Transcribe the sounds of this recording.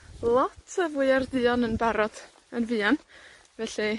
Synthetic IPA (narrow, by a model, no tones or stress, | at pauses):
lˠɔtʰəvʊɨardɨːɔnənbaɾɔd̥ | ənvɨːan | vɛɬi